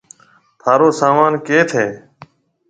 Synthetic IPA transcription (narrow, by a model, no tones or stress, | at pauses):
t̪ʰaːɾoːsaːmaːnkeːt̪ʰeː